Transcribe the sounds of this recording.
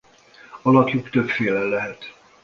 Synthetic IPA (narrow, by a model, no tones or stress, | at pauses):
ɒlɒkjukt̪ø̞pfeːlɛlːɛɦɛt̪